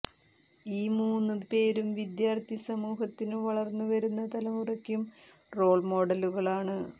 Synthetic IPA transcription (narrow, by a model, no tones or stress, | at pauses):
iːmuːnːupe̞ːɾumʋid̪jaːrt̪ʰisɐmuːɦɐt̪ːinɨʋɐɭɐrnːuʋɐɾunːɐt̪ɐlɐmurɐkʲːjum | ro̞ːɭmo̞ːɽɐluɣɐɭaːɳɨ